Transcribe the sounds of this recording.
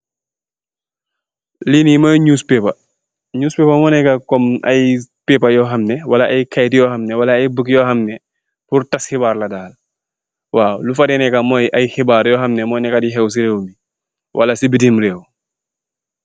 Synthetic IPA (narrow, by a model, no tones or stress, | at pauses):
linimɐɲuːspɛːpɐ | ɲuːspɛːpamɔːnɛkakɔmɐ̰jpɛːpɐjɔɦɐmnɛwɐlɐʔɐjkajtjɔːhɐmnɛwɐlɐːjbəkjɔxɐmnɛ | purtɐsxibaːrlɐdaːl | waːlufɐdɛnɛkamɔjʔɐjxibaːɾjɔxɐmnɛmɔjnɛkadiɦɛws̬iɾeːwmi | wʔɐlɐsibitiːmɾeːw